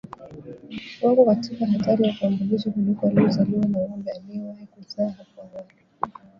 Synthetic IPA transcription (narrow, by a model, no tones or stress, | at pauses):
wapɔkatʰikaɦataɾizakambuliʃɔkulikɔaluzaluanaɔmbɛaliɛwahikuzaːhapɔawalu